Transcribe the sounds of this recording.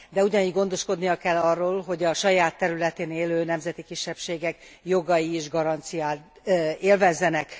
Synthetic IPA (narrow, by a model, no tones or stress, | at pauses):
d̪ɛuɟɒniːɟɡo̞nd̪o̞ʃko̞d̪nijɒkɛlːɒrːoːlɦo̞ɟɒʃɒjaːt̪ːɛɾylɛt̪eːneːløːnɛmzɛt̪ikiʃːɛpʃeːɡɛkjo̞ɡɒjieːʒɡɒɾɒnt̪sijaːt̪ | eːlvɛzːɛnɛk